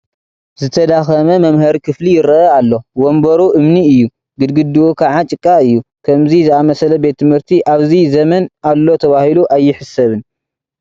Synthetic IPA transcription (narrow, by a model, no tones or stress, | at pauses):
zɨt̪ʰɐd̪axɐmɐmɐmhɐɾikʰɨflijɪɾɐʔɐalːo̞wombɐɾuʔɨmniɨjːu | ɡɨd̪ɡɨd̪ɨwukʰaʕat͡ʃʼɨkʼːaɨjːukʰɐmzizɨamɐsɐlɐbe̞t̪ːɨmhɨɾt̪ʰiʔaβzizɐmɐnʔalːo̞t̪ʰɐβahiluʔajːɪħɨsɐβɨn